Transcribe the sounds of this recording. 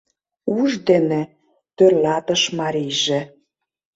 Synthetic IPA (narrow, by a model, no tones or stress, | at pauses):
uʒd̪ene | t̪ørlɑt̪əʃmɑɾijʒĕ